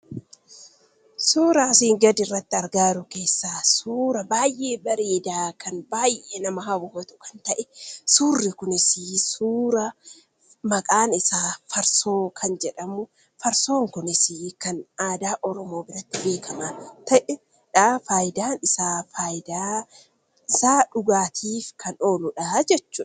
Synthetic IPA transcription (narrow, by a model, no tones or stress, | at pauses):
suːɾaːsiːŋɡɐd̪ɪrːɐt̪ːɪɐɾɡaːɾʊkeːsːaːsuːɾɐbaːjʔeːbɐɾiːd̪aːkʰɐnbaːjʔeːnɐmɐɦɐwʊhɔt̪ʊ̥kɐ̥nt̪ɐʔɛsuːrːɪkʊnɪsisuːɾɐ | mɐkʼaːnɪsaːfɐɾso̞ːkʰɐnd͡ʒɛᶑɐmʊ | fɐɾso̞ːŋkʊnɪsikɐnaːd̪aːʔɔɾɔmo̞ːbɪɾɐt̪ːɪbeːkʰɐmaːt̪ɐʔɛ | ᶑaːfaːjd̪aːnɪsaːfaːjɪd̪aː | ɪsaːᶑʊɡaːt̪ʰiːfkʰɐnoːlʊᶑɐhɐd͡ʒɛt͡ʃːuːɐ